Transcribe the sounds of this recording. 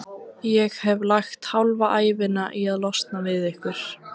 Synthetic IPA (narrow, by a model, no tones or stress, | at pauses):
jɛɣhɛvlajxt̪hawlvaʔaːjvɪnaʔiaðlɔst̪navɪðɛhkʏɾ̥